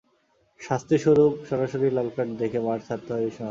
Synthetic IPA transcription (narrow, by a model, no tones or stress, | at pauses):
ʃast̪ʰiʃoɾupʃɔɾaʃoɾilalkaʈd̪ekʰebaɾt̪ʰat̪ːeɦabeʃɔ